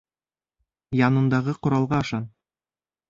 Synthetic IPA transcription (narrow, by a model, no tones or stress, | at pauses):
jɑnɤ̆nd̪ɑʁɤqŏɾɑlˠʁɑɑʃɑn